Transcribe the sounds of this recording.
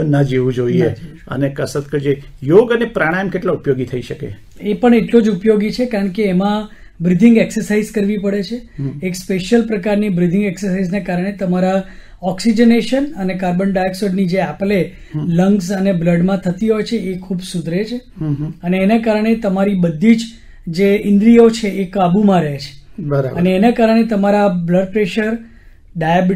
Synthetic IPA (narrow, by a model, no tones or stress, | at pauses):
nəd͡ʒeʋũd͡ʒoie | ə̰nekəsət̪kəd͡ʒejoɡənepɾaɽ̃ajmkeʈlaupjoɡit̪ʰəiʃəkḛ | epəɳeʈlõd͡ʒupjoɡit͡ʃʰekaɾəɳkeːmã | bɾid̪ʱɪŋɡɛksəɾsaizkəɾʋipəɽet͡ʃʰeekspeʃjəlpɾəkaɾnibɾid̪ʱɪŋɡɛksəɾsaiznakaɾəɽ̃et̪əmaɾa | ɔksid͡ʒəneʃənənekaɾbənɖajksoɖnid͡ʒeaple | ləŋɡsənebləɖmãt̪ʰət̪iɦojt͡ʃʰeːkʰubsud̪ʱɾet͡ʃʰeəneːnakaɾəɽ̃et̪əmaɾibəd̪ʱːid͡ʒ | d͡ʒeɪnd̪ɾiot͡ʃʰeʔekabumãɾəɦet͡ʃʰe̥bəɾ̰əneːnakaɾəɽ̃et̪əmaɾabləɖ̚pɾeʃəɾ | ɖab